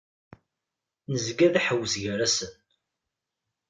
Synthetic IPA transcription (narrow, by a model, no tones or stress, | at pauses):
nəzɡæðaħəwːəsʝəɾæsən